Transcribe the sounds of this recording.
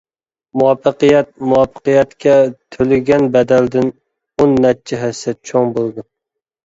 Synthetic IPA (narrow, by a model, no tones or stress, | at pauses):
muwɑpːɨqɨjɛt̪̚muwɑpːɨ̥qɨjɛt̪kʲʰɛt̪ʰølɪɡʲɛnbɛd̪æld̪ɪn | onːɛt̚t͡ʃʰːɪɦɛsɛt͡ʃʰoŋbolˠd̪ɨ